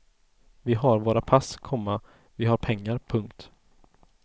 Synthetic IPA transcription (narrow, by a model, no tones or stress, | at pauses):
vɪɦaɾvoːɾapʰaskʰɔmːa | vɪɦaɾpʰɛŋːaɾpʰɵŋkt̪